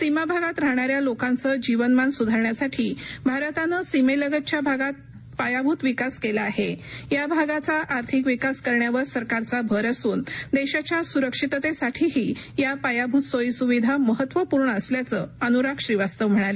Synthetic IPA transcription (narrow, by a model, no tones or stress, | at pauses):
simabʱaɡat̪ɾaɦɳ̃aɾjalokãnt͡səd͡ʑiʋənmansud̪ʱaɾɳjasaʈʰiːbʱaɾət̪anəsimeləɡət̪̚t͡ɕjabʱaɡat̪̚ | pajabʱut̪ʋikaskelaːɦejabʱaɡat͡saʔːɾt̪ʰikʋikaskəɾɳjaʋəɾsəɾkaɾt͡sabʱəɾəsuːnd̪eɕat͡ɕjasuɾəkʂit̪ət̪esaʈʰiɦiː | japajabʱut̪sojsuʋid̪ʱaməɦət̪ːʋəpuɾɳəːsljat͡səənuɾakɕɾiʋast̪əʋm̤əɽ̃ale